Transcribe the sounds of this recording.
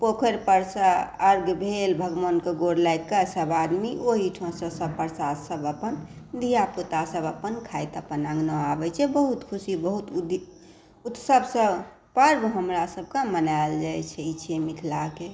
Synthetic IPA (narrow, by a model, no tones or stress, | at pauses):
pokʰəɾpəɾsaəɾɡbʱelbʱəɡʋənkeɡoɽlajkəsəbad̪miʔoɦiʈʰɔ̃sə̃sə̃pəɾsasəbəpənd̪ʱijaput̪asəbəpənkʰajt̪əpənãŋɡnəabɛt͡ʃʰɛbəɦut̪kʰusibəɦut̪d̪ | ut̪səbsə̃ | pəɾbɦəmɾasəb̚ʱkamənald͡ʒajt͡ʃʰɛt͡ʃʰɛmit̪ʰlake